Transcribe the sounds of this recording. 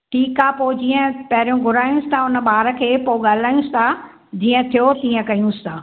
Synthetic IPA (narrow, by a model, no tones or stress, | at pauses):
ʈʰiːkaːpoːd͡ʑiːə̃pɐɦɪɾijũɡʱʊɾaːjũst̪ʰaʊnə̆ɓaːɾə̆kʰeːpoːɠaːl̤aːjũst̪ʰa | d͡ʑiːə̃t̪ʰijot̪iːə̃kɐijũst̪ʰaː